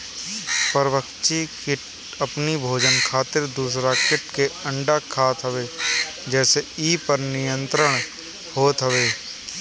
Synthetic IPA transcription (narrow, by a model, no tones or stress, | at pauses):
pəɾʋəkt͡ʃikɪʈ | əpnibʱoːd͡ʒənkʰaːt̪ɪɾd̪uːsɾakɪʈkeə̃ɳɖakʰaːt̪ɦəʋeː | d͡ʒɛːseiːpəɾnɪjə̃nt̪ɾəɽ̃ | hoːt̪ɦəʋeː